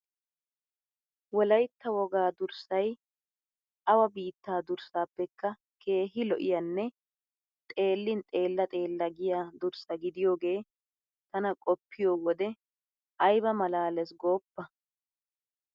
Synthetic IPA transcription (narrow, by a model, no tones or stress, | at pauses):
wɔlɐjt̪ːɐwɔɡaːd̪ʊɾsɐj | ʔɐwɐbiːt̪ːaːd̪ʊɾsaːpːɛkːɐ | kʰe̞ːɦɪlɔʔɪjɐnːɛ | t̪ʼe̞ːlːɪnt̪ʼe̞ːlːɐt̪ʼe̞ːlːɐɡɪjaːd̪ʊɾsɐɡɪd̪ɪjo̞ːɡe̞ː | t̪ɐnɐkʼɔpːɪjoːwɔd̪ɛ | ʔɐjbɐmɐlaːlɛsɡo̞ːpːɐ